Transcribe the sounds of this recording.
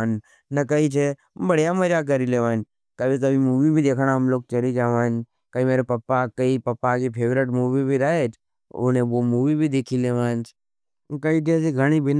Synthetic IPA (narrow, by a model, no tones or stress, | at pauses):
n | nəkəit͡ʃʰe | bəɽ̤ijaməd͡ʒak̬əɾileːʋãːn | kəbit̪̬əbʱimuːʋibʱid̪eːkʰɽ̃aɦɐmloːk̚t͡ʃɐlid͡ʒaːʋãːn | kəimeːɾepɐpːakɐipɐpːakipʰeːʋɾɪʈmuːʋibʱiɾəɦeːt͡ʃʰ | o̰nẽʋomuːʋibʱid̪ekʰileːʋaːnt͡ʃʰ | kəiʈesiɡʱəɽ̃ibɪn